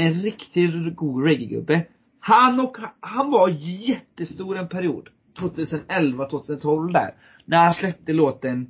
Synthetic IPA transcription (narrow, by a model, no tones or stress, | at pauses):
ɛnɾɪkt̪ɪɡuːɾɛɡəɡɵ̰bːə | hanːɔkhanvaɾjɛt̪ːəst̪uːɾɛnpʰæɾɪṵːd̪ | t̪ʰvoːt̪ʰʉ̟ːsənɛlvat̪ʰvoːt̪ʰʉːsənt̪ʰɔlvd̪æ̰ːɾ | næɾhanslɛp̚t̪əloːt̪ən